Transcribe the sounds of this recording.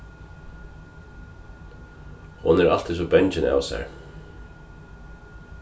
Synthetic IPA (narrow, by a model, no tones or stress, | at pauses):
hʊ̰nɛɾʔa̰l̥t̪ʰɪs̬ɔbɛɲt͡ʃɪna̰wsɛ̰ɹ